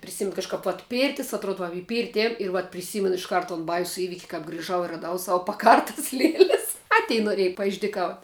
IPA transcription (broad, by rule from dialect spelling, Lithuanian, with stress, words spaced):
pʲrʲɪˈsʲɪmʲɪn kɐʃˈkɐp ʋɐt ˈpʲiːrʲtʲɪs ɐtˈroːt ʋɐ ɪ ˈpʲiːrʲtʲɪ ˈeːjʊm ɪr ʋɐt pʲrʲɪˈsʲiːmʲɛn ɪʃˈkɐrt toːn ˈbɐɪsʊ ˈiːʋʲɪkʲ kɐp ɡrʲɪˈʒɐʊ ɪ rɐˈdɐʊ ˈsɑːʋʊ pɐˈkɐrtɐs ˈlʲiɛlʲɛs ɐ ˈtʲɛɪ noːˈrʲeːj pɐɪʒʲdʲiːˈkɐʊtʲ